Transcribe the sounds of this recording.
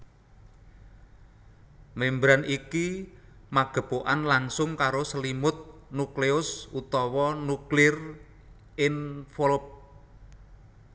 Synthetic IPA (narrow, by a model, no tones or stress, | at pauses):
membɾanʔikimaɡ̥ə̤poʔanlaŋsʊŋkaɾosəlimʊt̪̚nukleʊsut̪ɔwɔnuklɪr | ʔɪŋfolʊp̚